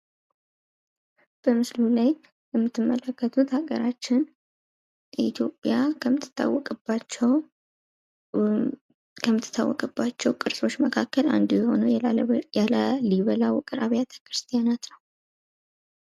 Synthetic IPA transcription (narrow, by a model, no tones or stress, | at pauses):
b̥əmɨslulaj | jɛmːɨt̪ʰːɨmːələkːət̪ʰut̪haɡəɾat͡ʃːɪn | it̪ʰjo̞pʼjaəmɨt̪ʰːɨ̥t̪ːa̰wːɔkʼbat͡ʃː | kʰəmːɨt̪ʰːɨ̥t̪ʰːa̰wːɔ̰kʼɨbːat͡ʃkːɛwkʼɨɾsʼo̞t͡ʃːməkʰakːəla̰nd̪ujɛho̞̰nəjaləliβəlawkʼɨɾaβjat̪ʰə̥kɾɨst̪ʰijanat̪nəw